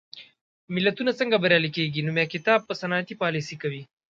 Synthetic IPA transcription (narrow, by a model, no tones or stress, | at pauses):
mɪlɐt̪unat͡səŋɡabɐɾjalikeɡinomjakɪt̪ɑːb̚pəsɐnɑjat̪ipɑlisikɐwi